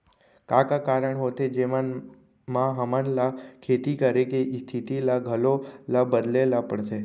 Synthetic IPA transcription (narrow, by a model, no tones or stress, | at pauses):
kakakaɾəɳɦot̪ʰed͡ʒeman | mãɦəmənlakʰet̪ikəɾekeist̪ʰit̪ilaɡʱəlolabəd̪lelapəɳse